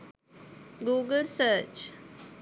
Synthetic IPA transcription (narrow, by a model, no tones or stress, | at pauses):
ɡuːɡəlsəːt͡ʃ